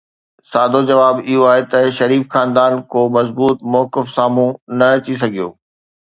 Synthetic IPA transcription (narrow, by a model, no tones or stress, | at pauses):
saːd̪ʱod͡ʑɐʋaːbɪɦoaːɦet̪ɐʃɐɾiːfxaːnd̪aːnkoːmɐzbuːt̪mɔːkɪfsaːmũnɐt͡ɕis̬ɐɡʱijo̰ː